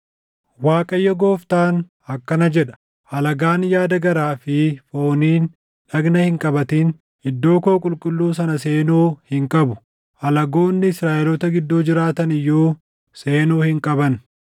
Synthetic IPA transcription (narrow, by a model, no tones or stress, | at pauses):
waːkʼɐjːɐɡo̞ːft̪aːn | ɐkːɐnɐd͡ʒɛᶑɐ̥ | ʔɐlɐɡaːnjaːd̪ɐɡɐɾaːfɪfo̞ːniːn | ᶑɐɡnɐhɪŋkʼɐbɐt̪iːn | ɪd̪ːo̞ːko̞ːkʼʊlkʼʊlːuːs̬ɐnɐse̞ːnuːhɪŋkʼɐbʊ | ʔɐlɐɡo̞ːnːɪɪsɾaːʔɛlɔt̪ɐɡɪd̪ːoːd͡ʒɪɾaːt̪ɐnɪjːuː | se̞ːnuːhɪŋkʼɐbɐn